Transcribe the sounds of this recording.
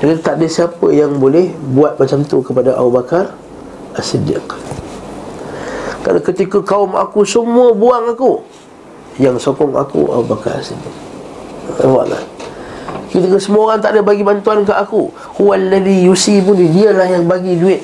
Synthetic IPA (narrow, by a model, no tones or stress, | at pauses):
ɡit̪aʔdəsiapə̰jaŋbolɛhbuat̪̚mat͡ʃamt̪ukəpadaʔa̰ubakar | asədɪ̰k | ka̰lakət̪ikəkaʊma̰kusəmuəbuaŋaku | jaŋsokɔŋa̰kṵa̰ubaka̰ɾa̰sədɪk̚ | a̰wa̰ʔla̰ | kət̪ikəsəmuoɣaŋt̪aʔdəbaɡibant̪uankaʔaku | hualːəlijusipʊnidiəlahjaŋbaɡiduɪt̪̚